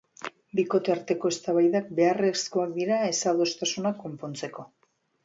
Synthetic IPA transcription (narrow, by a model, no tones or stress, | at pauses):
biko̞t̪e̞aɾt̪e̞ko̞e̞st̪aβajðak̚be̞are̞skoakd̪iɾae̞salðo̞st̪asunakːo̞mpo̞nt͡se̞ko̞